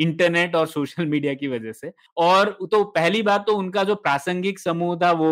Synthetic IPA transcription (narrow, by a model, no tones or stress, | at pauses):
ɪ̃ɳʈəɾneːʈɔːɾsoːʃəlmiːɖijakiʋɐd͡ʒəse | ɔːɾt̪opɛɦlibaːɾt̪ːoʊnkad͡ʒoːpɾaːsə̃ŋɡɪksɐmuːɦt̪ʰaʋo